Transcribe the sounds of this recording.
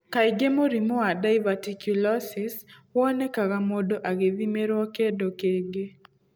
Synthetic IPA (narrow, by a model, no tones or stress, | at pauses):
kaɪɡemoɾimoadaɪvatikjulɔsɪswɔnɛkakamɔdoʔaɡeðimeɾɔkedokeɡe